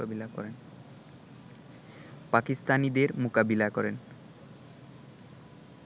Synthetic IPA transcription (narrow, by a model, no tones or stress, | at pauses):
abilakɔ̰ɾen | pakist̪anid̪eɾmokabilakɔɾen